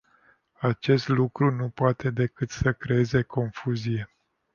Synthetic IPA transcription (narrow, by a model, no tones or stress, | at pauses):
at͡ʃe̞st̪lukɾunupoat̪e̞d̪e̞kɨt̪səkɾe̞e̞ze̞kʰo̞nfuzije̞